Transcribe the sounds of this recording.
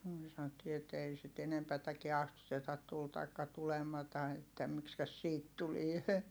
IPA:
myø sɑnotːiː et ei sit enempætækiɛ ɑstutetɑt tul tɑikːɑ tulemɑtɑ etːæ mikskæs siːt tulie

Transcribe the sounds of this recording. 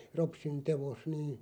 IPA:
ropsin teʋos niː

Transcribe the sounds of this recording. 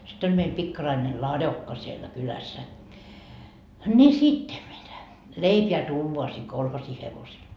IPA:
sit olʲ meil pikːɑrɑine lɑdokːɑ sielːæ kylæsːæ nʲi sitːe mitæ leipeæ tuːʋoɑ siː kolhosi heʋosel

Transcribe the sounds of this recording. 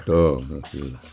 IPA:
tuːnːeŋ kylːæ

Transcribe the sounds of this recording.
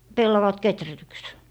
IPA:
pelːɑʋɑt ketrætyks

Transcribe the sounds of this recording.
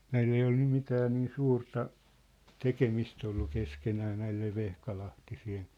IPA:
næil ei ol nym mitæː niː suːrtɑ tekemist olːu keskenæː næilˑeʋ ʋehkɑlɑhtisien̞

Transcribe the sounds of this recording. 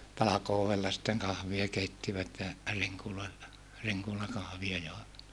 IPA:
tɑlɑkoːʋelːɑ sitːeŋ kɑhʋiɑ keitːiʋæt jɑ riŋkuloilːɑ riŋkulɑkɑhʋiɑ joˑeʋɑt

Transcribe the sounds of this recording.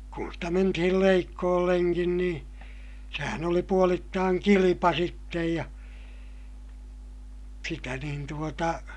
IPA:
kun stæ mentihil leikːoːlːeŋkin nĩː sehæn oli puolitːɑːŋ kilipɑ sitːej jɑ sitæ nin tuotɑ

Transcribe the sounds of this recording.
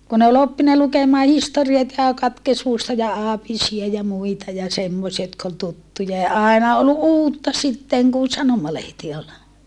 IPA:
kun ol opːinɑ lukemɑː historiɑt jɑ kɑtkesmustɑ jɑ ɑːpisiɑ jɑ muitɑ jɑ semːosiɑ jotk ol tutːujɑ jɑ ɑˑenɑ ol uːtːɑ sitːeŋ kun̞ sɑnomɑlehti ol

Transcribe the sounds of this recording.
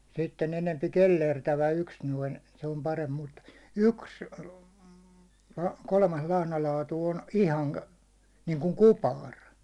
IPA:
sitːen enempi kelːertæʋæ yks noin se om pɑremp mut yks kolmɑs lɑhnɑlɑːtu on ihɑŋ niːŋkuŋ kupɑr

